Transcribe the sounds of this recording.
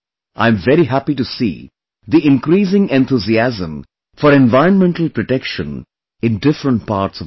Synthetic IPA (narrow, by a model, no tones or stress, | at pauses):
ʔã̰ɪ̃ɱvɛɾiɦæpiʈusḭː | d̪iʔɪ̃nkɾiːsɪ̃ŋɛ̃nt̪ʰuziæzə̃m | fɔɾẽnʋaɪɾə̃nmɛ̃ɳʈəlpɾɔʈɛkʃə̰̃n | ɪ̃nɖɪfɾə̃ɳʈ̚paːɾʈsɔ